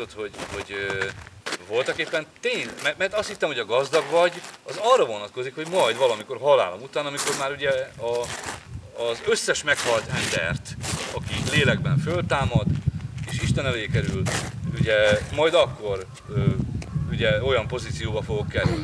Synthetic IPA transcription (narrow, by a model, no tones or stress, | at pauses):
ot̪ho̞ɟho̞ɟø | vo̞lt̪ɒkeːpːɛnt̪eːɲnmɛrmɛrt̪ɒst̪hit̪ːɛmhoɒɡɒzd̪ɒɡvɒɟɒzɒrːɒvo̞nɒt̪ko̞zikho̞ɟmɒjd̪vɒlɒmiko̞rɦɒla̰ːlomut̪aːnɒmiko̞rmaːɾuɟɛɒː | zøsːɛʃmɛkhɒlt̪ɛnd̪ɛ̰rt̪ɒkileːlɛɡbɛɱfølt̪aːmɒd̪eːʃiʃt̪ɛnɛleːkɛɾyluɟɛmɒjd̪ɒkːo̞r | øːuɟɛo̞jɒmpo̞ziːt̪sijoːbɒfo̞ɡo̞kːɛly